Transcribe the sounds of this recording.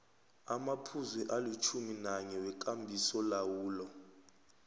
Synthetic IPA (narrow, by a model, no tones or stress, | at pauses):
amapʰuzwɛʔalut͡ʃʰuminaɲɛwɛk̬ʼambʱisɔlawuːlɔ